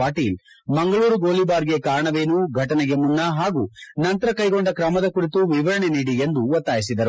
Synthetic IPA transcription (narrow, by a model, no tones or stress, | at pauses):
aːʈiːl | mɐŋɡɐɭuːɾuɡo̞ːlibaːɾɡe̞kaːɾɐɳɐʋe̞ːnuɡʱɐʈɐnɛɡe̞munːɐɦaːɡuːnɐnt̪ɐɾɐkɐjɡoɳɖɐkɾɐmɐd̪ɐkuɽit̪uʋiʋɐɾɐɳeniːɽiend̪uʋɐt̪ːaːjis̬id̪ɐɾu